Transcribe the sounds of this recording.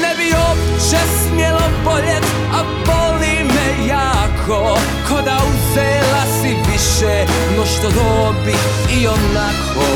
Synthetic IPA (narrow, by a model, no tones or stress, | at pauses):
nɛbiopt͡ʃɛsmjɛloboʎɛt̪ | a | bɔlimɛ | jaːkʰo | kʰod̪auzɛːlasiviʃɛ | nɔʃt̪od̪obit | ionakʰ | o